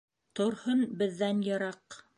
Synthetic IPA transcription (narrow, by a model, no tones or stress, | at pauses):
t̪ŏɾhɤnbɘ̆ðːænjɤ̆ɾɑq